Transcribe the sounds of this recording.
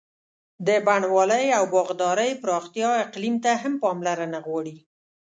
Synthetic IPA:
d̪əbaɳwɑləjawbɑɣd̪ɑɾəjpɾɑxt̪ijɑɪqlimt̪aɦampɑmlaɾanaɣwɑɽi

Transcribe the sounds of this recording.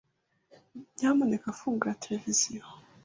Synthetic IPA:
ɲamone̞kafuːŋɡuɾatʰelevizijo

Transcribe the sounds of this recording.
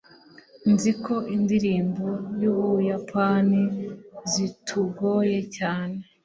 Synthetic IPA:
nzikʰo̞ʔindiɾiːmbojuujapʰanizitʰuɡoje̞caːne̞

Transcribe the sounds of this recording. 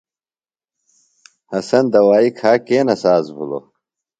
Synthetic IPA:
hɐsɐnd̪ɐwaːikʰaːkeːnɐsaːzbṵlo̰

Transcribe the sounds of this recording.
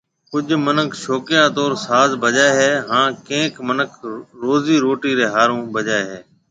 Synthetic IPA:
kʊd͡ʒʱmənəkʰʃoːkɪjãːt̪oːɾsaːzbəʄaːeɦɛːɦãːkẽːkmənəkʰɾoːziːɾoːʈiːɾeːɦaːɾõːbəd͡ʒaːeɦeː

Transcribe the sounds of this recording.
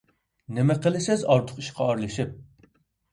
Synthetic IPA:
nɪmɛqəlˠɪsɪzɑɾt̪ʰʊ̥qi̥ʃqʰɑɑɾlˠɨʃip̚

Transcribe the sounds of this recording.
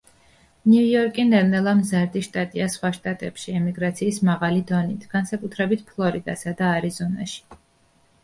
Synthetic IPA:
niujɔɾkʼinɛɾnɛlˠamzaɾd̪iʃt̪ʼat̪ʼiasχwaʃt̪ʼat̪ʼɛpʃiɛmiɡɾat̪sʰiːsmaʁalid̪ɔnit̪ʰɡ̥ansakʼut̪ʰɾɛbit̪ʰpʰlˠɔɾid̪asad̪aːɾizɔna̰ʃi̥

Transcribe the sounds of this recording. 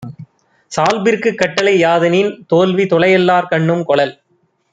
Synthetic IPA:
saːlbɪɾkɯkːɐʈːɐlɐɪjaːðɐnint̪oːlʋit̪ɔɭɐjɐlːaːɾkɐɳːɯmkɔɭɐl

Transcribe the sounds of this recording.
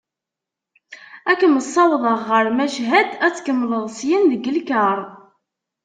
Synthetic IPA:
ækəməsˤːɑwðˤəʁːəɾmæʃɦæd̪æt͡sːkəmːləðˤsjənðəɡəlkəɾˤ

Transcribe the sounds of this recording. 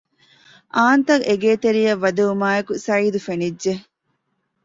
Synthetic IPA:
ʔaːnt̪ɐɡʔeɡeːt̪eɾijɐʋːɐd̪eumaːekusɐiːd̪ufenidʒe

